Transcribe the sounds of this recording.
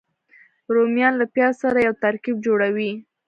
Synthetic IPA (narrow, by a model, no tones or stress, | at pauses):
ɾomjɑnlapjɑsaɾajawt̪aɾkib̚d͡ʒoɽawi